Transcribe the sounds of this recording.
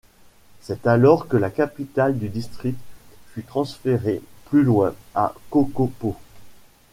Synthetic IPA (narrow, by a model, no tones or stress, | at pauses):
sɛt̪alɔʁkəlakapit̪ald̪yd̪ist̪χik̚t̪fyt̪χɑ̃sfeʁeplylwɛ̃a̰kokopo